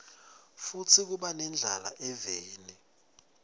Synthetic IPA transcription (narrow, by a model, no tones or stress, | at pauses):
fut͡sʰik̬uɓanɛnd͡ɮʱala̰ʔɛveːni